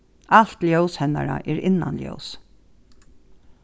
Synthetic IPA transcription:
al̥t̪ljowshɛnaɾa̰ʔɛɾɪnːa̰nljœ̰ws

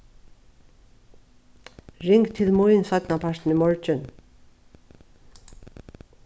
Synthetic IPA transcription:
ɹɪŋkt̪ʰɪlmuʏnsœt̪napʰaʃt̪n̩imɔɹt͡ʃʏn

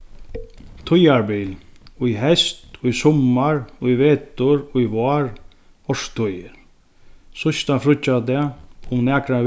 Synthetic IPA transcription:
t̪ʰʊjaɹbiːlʊjɦɛst̪ʊjsɔmaɹʊjʋeːt̪ʊɹʊjʋaːɹ | ɔʂt̪ʰʊjɪ | sʊst̪afɾʊt͡ʃat̪ɛaʊmnɛːkɾa

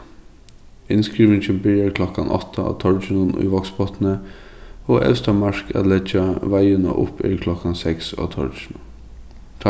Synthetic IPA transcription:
ɪnskɹiːʋɪnçəbɪɾəɾkʰlɔkanʔɔ̰t̪əɑ̰ːt̪ʰɔɹt͡ʃɪnʊnʊ̰ʋɔkspʰɔt̪nə | oːʔɛ̰fst̪ɑmɑʂkʰæ̰t̪lɛd͡ʒaʋæɪənə̰ʔʊ̰pḭɾkʰlɔkɑnsɛksɑ̰ːt̪ʰɔ̰ɹt͡ʃɪnʊ

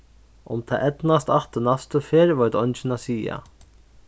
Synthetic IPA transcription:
ʔʊmt̪ʰa̰ːʔɛt̪nast̪aht̪ənast̪əfeːɾʋɔjt̪ɔnt͡ʃɪnasiːa̰

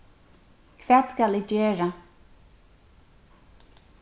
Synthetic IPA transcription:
kʰvɛːt̪skalɪːd͡ʒøːɹa

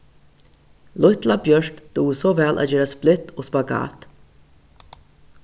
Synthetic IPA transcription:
lʊt̪labjœʂkd̪̥uːsɔvɛlʔæ̰t̪jeːɾasplɪt̪ːoːspaɡɑ̰ːt̪

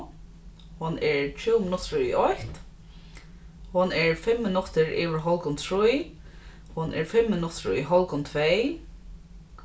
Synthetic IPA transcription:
hʊnɛɹt͡ʃʰuːwmɪnʊt̪ɾʊḭʔɔht̪ | hʊnɛɹfɛmːɪnʊt̪ɪɹʔiːʋɪɹɦɔlkʊnt̪ʰɾuj | hʊnʔɛ̰ɹfɛmːɪnʊt̪ɾʊ̰iɦɔlkʊnt̪ʰvɛj

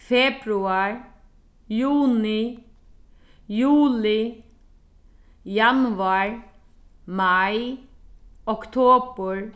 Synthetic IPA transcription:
fɛpɾuaɹ | juːnɪ | juːlɪ | janaɹ | maj | ɔkt̪ʰoːpəɹ

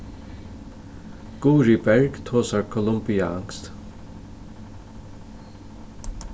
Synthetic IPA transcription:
ɡ̥uːɾibɛɹɡt̪ʰoːsaɹkʰɔlʊmbiaa̰ŋst̪

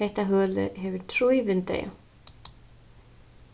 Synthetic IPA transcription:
ejht̪aɦœːlʏ̰ɦɛvʏɾt̪ʰɾujvʏnt̪ḛːja̰

